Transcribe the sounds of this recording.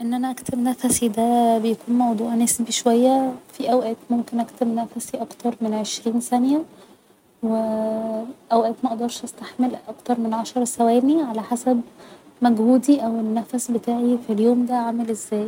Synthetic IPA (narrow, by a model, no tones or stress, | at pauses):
ʔenːʔænæʔækt̪emnæfæsid̪æbejækuːnmɑwd̪ˤuːʕnæsbiʃowæjːæfiʔæwʔæːt̪momkenʔækt̪emnæfæsiʔɑkt̪ɑɾˤmenʕeʃɾiːnsænjæ | we | ʔæwʔæːt̪mæʔɑd̪ɑɾˤʃʔæst̪aħmelʔɑkt̪ɑɾˤmenʕaʃɑɾˤsæwæːniʕalæħasæb | mæɡhuːd̪iʔæwenːæfæsbet̪aːʕifiljoːmd̪æʕamelʔezːæːj